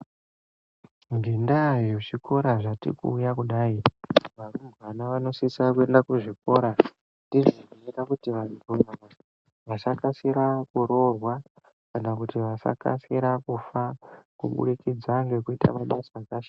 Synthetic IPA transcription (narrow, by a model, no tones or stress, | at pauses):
ŋɡendajot͡ʃiko̞ɾaʐatḭkṵːjakuɗaːiʋarumbʋanaʋano̞sisakue̞ndakuʐiko̞ːɾa | tiʐoniiɾakutiʋaubunaa | ʋasakasiɾakuɾo̞rwa | kanakutiʋasa̰ka̰siɾakufakṵɓṵrikid͡zaŋɡe̞kuita̰maɓasakaʃa